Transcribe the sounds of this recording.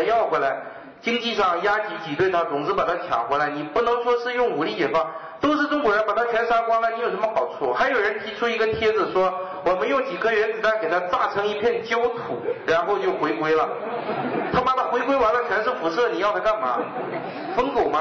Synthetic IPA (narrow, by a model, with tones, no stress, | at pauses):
jɑ˥˩ʊxwe˧˥ɪla˧˥ɪ | t͡ɕi˥ŋt͡ɕi˥˧ʂɑ˥˩ŋja˥t͡ɕi˧˥t͡ɕi˨˩t̪we˥˩ɪt̪ʰa˥t͡sʊ˨˩ŋɹ̩˥pa˨˩t̪ʰa˥t͡ɕʰjɑ̰˨˩ŋxwe˧˥la˧˥ɪni˨˩pu˥˩nɤ˧˥ŋʂwɔ˥ʂɻ̩˥˧jʊ˥˩ŋu˨˩li˥˩t͡ɕjɛ˨˩xwa˥˩ŋ | t̪o˥ʊʂ̬ɻ̩˥˩ʈ͡ʂʊ˥ŋkwɔ˧˥ɻə˧˥npa˨˩t̪ʰa˥t͡ɕʰɥɛ˧˥nʂa˥kwa˥ŋna˧˩ni˧˥jʂə˧˥mə˧xɑ˨˩ʊt͡sʰwɔ˥˩xa˧˥ɪjo˨˩ʊɻə˧˥nt̪ʰi˧˥ʈ͡ʂʰu˥i˧˥ɡə˧t̪ʰjɛ˥d͡zɹ̩˨ʂwɔ˥ | wɔ˨˩mə˧˥njo˧˥ʊt͡ɕi˨˩ɡə˧˥ɥɛ˧˥nt͡si˨˩t̪a˥˩ke˨˩ɪt̪ʰa˥t͡sa˥˩ʈ͡ʂʰɤ˧˥ŋi˧˥pʰjɛ˥˩nt͡ɕjo˥ʊt̪ʰṵ˨˩˦ɻa˧˥nxo˥˧ʊt͡ɕjo˥˩ʊxwe˧˥ɪkwe˥ɪlə˨ | t̪ʰa˥ma˧˥˩t̪ʰa˥xwe˧˥ɪkwe˥ɪwɔ˧˥nlə˧˩t͡ɕʰɥɛ˧˥nʂɻ̩˥˩fu˧˥ʂɤ˥˩ni˨˩jɑ˥˩ʊt̪ʰa˥˧ka˥˩nmɐ̰˩ | fə˥ŋko˨˩ʊma˧˦